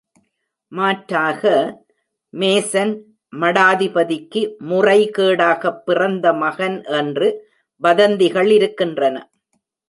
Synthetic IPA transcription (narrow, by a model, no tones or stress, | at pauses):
maːʈɾaːɣɐ | meːsɐn | mɐɽaːðɪbɐðɪkːɯmʊrɐɪkeːɽaːɣɐpːɪrɐnd̪ɐmɐɣɐnʔɛndrɯ | bɐðɐnd̪ɪɣɐɭɪɾɯkːɪndrɐnɐ̰